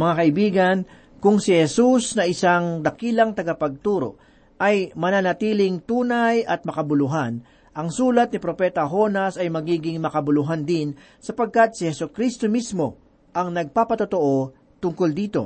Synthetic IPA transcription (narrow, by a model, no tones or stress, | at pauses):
mɐŋakɐʔɪbiːɡɐn | kʊŋsɪhɛsusnɐʔɪsaŋd̪ɐkiːlɐŋt̪ɐɡɐpɐɡ̚t̪uːɾo̞̰ | ʔɐjmɐnanɐt̪iːlɪŋt̪uːnajʔɐt̪̚mɐkɐbʊlʊɦan | ʔɐŋsuːlɐt̪̚nɪpɾo̞pɛt̪ɐɦo̞nɐsɐjmɐɡiːɡɪŋmɐkɐbʊlʊɦand̪ɪn | sɐpɐɡ̚kat̪̚sɪhɛsokɾist̪o̞mismo̞ | ʔɐŋnɐɡ̚paːpɐt̪ot̪oʔo̞ | t̪ʊŋkold̪iːt̪o̞̰